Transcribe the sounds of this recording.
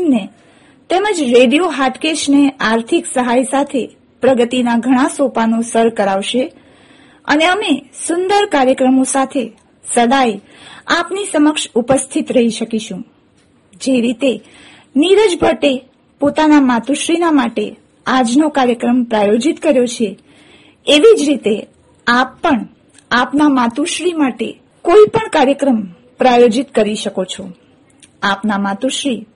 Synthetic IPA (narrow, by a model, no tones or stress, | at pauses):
ne | t̪eməd͡ʒɾeɖijoɦaʈkeʃneaɾt̪ʰiksəɦajsat̪ʰe | pɾəɡət̪inaɡʱəɽ̃ãsopanosəɾkəɾaʋʃe | ə̰neəmesʊnd̪əɾkaɾjəkɾəmosat̪ʰe | səd̪aj | a̰pnisəməkʃupəst̪ʰit̪ɾəɦiʃəkiʃũ | d͡ʒeɾit̪e | niɾəd͡ʒbʱəʈe | pot̪anamat̪uʃɾinamaʈe | ad͡ʒnokaɾjəkɾəmpɾajod͡ʒit̪kəɾjot͡ʃʰe | eʋid͡ʒɾit̪e | apːəɳ | apnamat̪uʃɾimaʈḛ | koipəɳkaɾjəkɾəm | pɾajod͡ʒit̪kəɾiʃəkot͡ʃʰo | apnamat̪uʃɾi